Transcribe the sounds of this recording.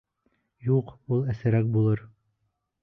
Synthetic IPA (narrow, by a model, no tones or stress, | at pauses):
juqulˠæsɘ̆ɾæk̚bulˠɤɾ